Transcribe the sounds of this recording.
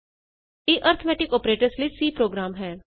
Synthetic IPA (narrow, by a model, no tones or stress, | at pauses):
eːʔəɾt̪ʰmɛːʈɪkɔːpɾeːʈəɾslisiːpɾoːɡɾaːmɦɛː